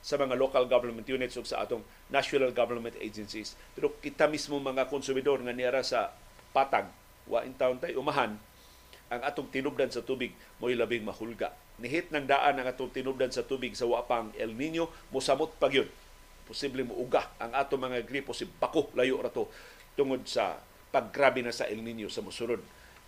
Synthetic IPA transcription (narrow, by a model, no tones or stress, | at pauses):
samɐŋalokalɡavɛɾmɛnt̪junɪt̪sʔʊɡsaʔa̰ːt̪oŋ | naʃʊnalɡavɛnmɛ̃nt̪ʔḛjd͡ʒɛnsispɛɾokɪt̪amismomɐŋakʊnsʊmɪd̪oɾŋanɪʔaɾasa | paːt̪aɡ̚ | wʔa̰ʔɪnt̪aʊnt̪ajʔʊmaɦan | ʔaŋʔaːt̪oŋt̪ɪnʊb̚d̪ansat̪uːbɪɡ̚ | mojlabɪŋmahʊlɡa̰ʔ | nɪɦɪt̪̚naŋd̪aʔanaŋaːt̪ʊŋt̪ɪnʊp̚d̪ansat̪ubɪɡsawaʔpaaŋɛlninjomʊsamʊt̪̚paɡajod̪̚ | pʊsiblɪmʊʔʊɡaʔa̰ŋʔaːt̪oŋmaŋaɡɾiposɪbakolajʊʔɾat̪o | t̪ʊŋod̪̚sa̰ | paɡ̚ɾabɪnasa̰ʔɪlninjosamʊsʊɾʊd̪̚